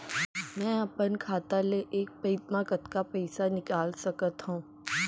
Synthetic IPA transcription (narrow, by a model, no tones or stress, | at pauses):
mɛ̃ːɐpənkʰaːt̪aleʔeːk̚pɐɪt̪makət̪kapɛːsanɪkaːlsɐkət̪ɦũː